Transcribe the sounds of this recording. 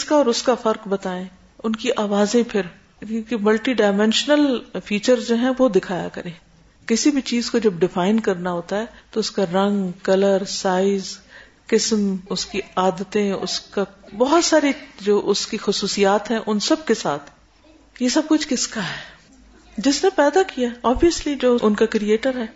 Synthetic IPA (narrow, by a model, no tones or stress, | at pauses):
skaɔːɾʊskafɐɾkbɐt̪aːẽ | ʊnkiʔaːʋaːzẽpʰɪɾ | kõːkimɐlʈiɖaːɪmɛ̃ːnʃnəlfiːt͡ʃəɾzd͡ʒoːɦɛ̃ʋod̪ɪkʰaːja̰kɐɾẽː | kɪsibʱit͡ʃiːzkod͡ʒɐb̚ɖɪfaːɪnkɐɾnaɦoːt̪aɦɛːt̪oʊskaɾɐ̃ŋɡkɐləɾsaːɪz | kɪsmʊskiaːd̪ət̪ẽʊ̰skabɔɦʊt̪saːɾid͡ʒoːʔʊskixʊsuːsijaːt̪ɦɛ̃ʔʊnsɐb̚kesa̰ːt̪ʰ | jesɐb̚kʊt͡ʃʰkɪskaɦɛː | d͡ʒɪsnepɛːd̪akijaɦɛɔːbijəslid͡ʒoːʔʊnkakɾieːʈəɾɦɛː